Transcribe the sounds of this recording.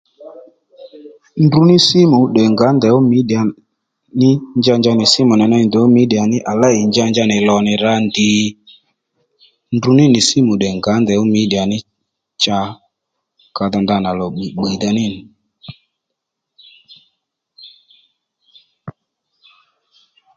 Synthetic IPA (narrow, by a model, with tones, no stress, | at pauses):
ndu˧nɪ˦si˦mu˨ɗɛ˨ŋɡa˨˦nd̪ɛ˨o˦mi˦ɗa˨ | nɪ˦nd͡ʒa˧nd͡ʒa˧nɪ˨sɪ˦mu˨nɛ˨na˧˨nd̪ɛ˨˦o˦mi˦ɗi˨a˨nɪ˦ʔa˨la˦˨i˨nd͡ʒa˧nd͡ʒa˧nɪ˨lɔ˨nɪ˨ɾa˧ndɪ˨ | ndu˧nɪ˦nɪ˨si˦mu˨ɗɛ˨ŋɡa˨˦nd̪ɛ˨wo˦mi˨˦ɗi˨a˨nɪ˦ | t͡ʃa˧ | ka˧da˧nd̪a˧na˨lɔ˨ɓi˨ɓi˨da˧nɪ˦˨nɪ˨